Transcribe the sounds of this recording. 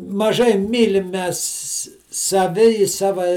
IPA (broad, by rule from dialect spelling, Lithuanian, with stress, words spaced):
mɐˈʒɐɪ ˈmʲiːlʲɪm ˈmʲɛs sɐˈʋʲɪ ɪ ˈsɑːʋɐ